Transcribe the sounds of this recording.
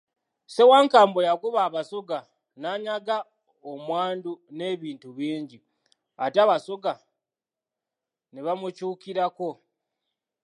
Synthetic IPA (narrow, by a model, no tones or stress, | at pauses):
se̞waːŋkaːmbo̞jakuβaːβasoɡa | naːɲaɡa | omwaːndune̞ːβiːntuβiːɲɟi | a̰taβasoɡa | niβamut͡ʃuːkiɾako̞